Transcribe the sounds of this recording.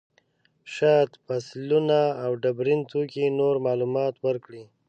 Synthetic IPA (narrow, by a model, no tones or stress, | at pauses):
ʃɑt̪paslunaːwɖabɾint̪okinoɾmɑlumɑt̪wəɾkɽi